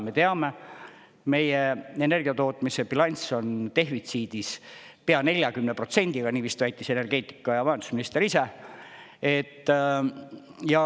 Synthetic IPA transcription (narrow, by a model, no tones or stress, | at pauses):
me̞t̪e̞ɑme̞ | me̞jeene̞rɡ̥iɑt̪o̞ːt̪ˑmisepilɑnʲso̞nt̪e̞ɦvit̪siːd̪̥is | peɑne̞lʲjɑkymnepro̞t̪se̞nʲd̪̥iɡ̥ɑniːʋiːst̪væjt̪ːˑise̞ne̞rɡ̥e̞ːt̪ːˑi̥kːˑɑjɑɑɦend̪u̥sminist̪e̞ɾise̞ | e̞t̪ː | jɑ